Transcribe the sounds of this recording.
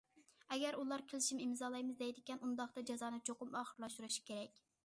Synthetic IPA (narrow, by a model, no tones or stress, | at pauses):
ɛɡʲɛɾulˠɑɾkʲʰɪlˠɪʃimimzɑːlˠɑjmɨzd̪ɛjd̪ɪkʲɛnund̪ɑχt̪ɑd͡ʒɑzɑːnɨt͡ʃʰoqʊmɑːχəɾlˠɑʃt̪uɾuʃi̥kʲʰeɾɛkʲ